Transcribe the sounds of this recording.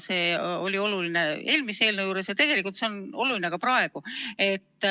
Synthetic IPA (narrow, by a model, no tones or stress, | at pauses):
se̞ːo̞lʲio̞luline̞e̞ːlmisee̞ːlnewjuːɾe̞sjɑt̪e̞ɡ̥e̞likult̪se̞ono̞luline̞kɑpɾɑe̞ɡ̥ue̞t̪ː